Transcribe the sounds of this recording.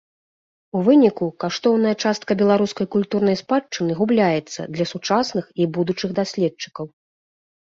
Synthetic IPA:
uvɨnʲikukaʂt̪ɔwnɐjɐt͡ʂast̪̚kɐbʲɛlˠaɾuskɐjkulʲt̪urnɐjspat͡ʂːɨnɨɣublʲajɛt̪sːɐ̰d̪lʲɐsut͡ʂasnɨxibud̪ut͡ʂɨɣd̪asʲlʲɛt̪̚t͡ʂɨ̥kɐw

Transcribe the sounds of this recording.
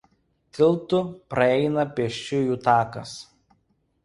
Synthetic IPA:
t̪ʲɪlˠt̪ʊpɾɐɛɪnɐpʲɛɛʃʲt͡ʃʲʊjuːt̪ɑːkɐs

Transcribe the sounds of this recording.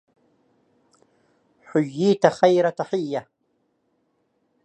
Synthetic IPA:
ħʊjːiːt̪axajɾat̪aħɪjːa

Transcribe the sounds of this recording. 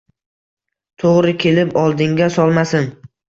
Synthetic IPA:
t̪ʰoʁɾɪkʲʰe̞lɪpɒlˠd̪ɪŋɡʲasɒlˠmasɪn

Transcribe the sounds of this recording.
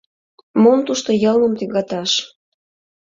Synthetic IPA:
momt̪uʃt̪ojɤlmə̆mt̪yɣɑt̪ɑʃ

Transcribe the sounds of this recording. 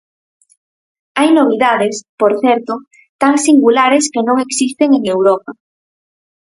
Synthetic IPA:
ajnoβ̞iðaðespoɾθɛɾt̪ʊ | t̪aŋsiŋɡulaɾeskenõŋeksist̪eŋeŋewɾɔpa

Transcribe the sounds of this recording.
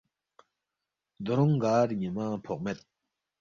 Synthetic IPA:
d̪oɾɔŋɡarɲimapʰɔʔ̚met̪̚

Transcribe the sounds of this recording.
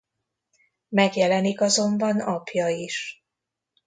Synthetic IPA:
mɛɡjɛlɛnikɒzo̞mbɒnɒpjɒiʃ

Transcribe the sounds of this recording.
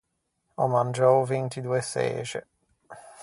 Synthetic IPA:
ɔmand͡ʒɔwvent̪id̪uesɛ̰ːt͡ʃḛ

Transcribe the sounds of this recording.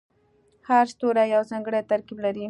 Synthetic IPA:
haɾst̪oɾajawzɑŋɡəɽat̪aɾkiblaɾi

